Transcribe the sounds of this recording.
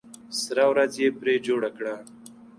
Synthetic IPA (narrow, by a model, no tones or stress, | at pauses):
sɾawɾazjepɾed͡ʒoɽakɽa